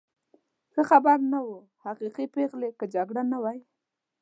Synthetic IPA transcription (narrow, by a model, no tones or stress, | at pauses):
xəxabaɾnawu | haqiqipeɣlekəd͡ʒaɡɽanawaj